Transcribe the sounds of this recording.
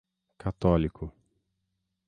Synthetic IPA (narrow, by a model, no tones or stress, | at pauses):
kat̪ɔlikʰʊ